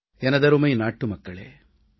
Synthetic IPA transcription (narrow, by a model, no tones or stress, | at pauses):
ɛnɐd̪ɐɾumɐjnaːʈːumɐkːɐɭḛː